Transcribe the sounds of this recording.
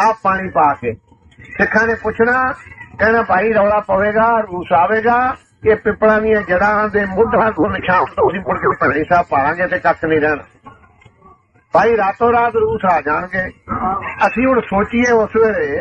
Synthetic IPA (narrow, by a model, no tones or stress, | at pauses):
aːp̚ːaːɽ̃iːpaːkeː | sɪkʰːãːneːpʊt͡ʃʰnaːkɛːnaːbʱaːiːɾəːlaːpəʋeːɡaːɾuːsaːʋeːɡaː | keːpɪpɽãːnɪjãːd͡ʒəɽãːɦãːd̪eːmʊd̪ːɡoːnɪkʰãːʊnd̪oːsĩːpʊɽkepəːɽĩːsaːbpaːlãːɡeːt̪eːkək̪ʰnĩːɾɛːn | bʱaːiːɾaːt̪õːɾaːt̪ɾuːsaːd͡ʒaːɳɡeː | əsĩːʊnsoːt͡ʃɪːeːʊsʋeːɾeː